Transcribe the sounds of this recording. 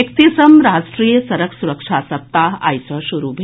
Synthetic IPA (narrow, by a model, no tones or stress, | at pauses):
kt̪isɐmɾaːsʈɾiːjəsɐɾəkʰsuɾəkʂaːsɐp̚t̪aːa̰jsɐʃuɾubʱ